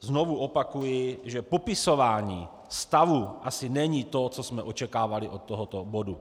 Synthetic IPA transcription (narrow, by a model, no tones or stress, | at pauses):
znovuʔopakujɪʒɛpopɪso̞vaːɲiː | st̪avuʔasɪnɛɲiːt̪ot͡sosmɛʔot͡ʃɛkaːvalɪʔot̪ːoɦot̪obodu